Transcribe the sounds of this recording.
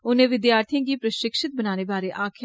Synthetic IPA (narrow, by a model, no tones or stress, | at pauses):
ʊnẽːʋɪd̪jaːɾt̪ʰijãːɡiːpɾəʃɪkʃɪt̪̚bənaːneːbaːɾeːʔaːkʰ